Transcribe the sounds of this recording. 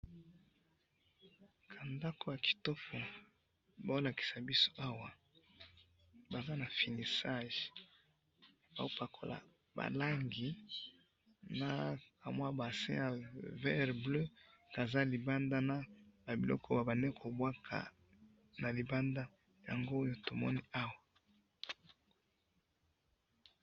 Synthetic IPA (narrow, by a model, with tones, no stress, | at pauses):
kʰa˨nda˦ko˦˨ja˨ki̥˨to˦pʰo˨ | ba˦o˦la˨ki̥˨sa˨bi˦so̥˦ʔa˦wa˦ | ba˨za˦na˨fi˨ni˨sa˦ʒ | ba̰˨o˦pa˨kʰo˨la̰˨ | ba̰˨la˦ŋɡi˨ | na˨ka˨mwa˦ba˨sɛ̰̃˦a˨vɛ˦ʁblø˦ka˨za˦li˨ba˦nda˦na˦ba˨bi˨lɔ̰˦kʰɔ˦ba˨ba˨ne˦kʰo˨bwa˦kʰa̰˨ | na˨li˨ba˦nda˦ | ja̰˨ŋɡo˦o˦jo˦to˨mɔ˦ni˦a˦wa˨